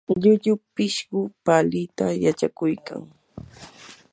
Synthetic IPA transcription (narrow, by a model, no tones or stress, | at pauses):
ʎʊʎʊpɪʃɢʊpalɪt̪ajat͡ʃakʊjka̰ŋ